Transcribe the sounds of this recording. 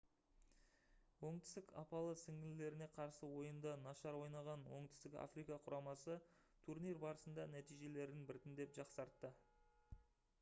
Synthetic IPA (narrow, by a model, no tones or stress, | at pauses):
wo̞ɴt̪ɪ̥st̪ɪkɑ̰pɑlˠəsɪŋɪlɪle̞ɾɪne̞qʰɑɾsəwo̞jənd̪ɑnɑʃɑɾwo̞jnɑʁɑnwo̞̰ɴt̪ɪ̥st̪ɪka̰frijkɑqʰʊɾɑmɑsə | t̪ʰuɾnijrbɑɾəsənd̪ɑnæt̪ijʒe̞le̞ɾd̪ɪnbɪɾt̪ɪnd̪e̞pʒɑqsɑɾt̪ːə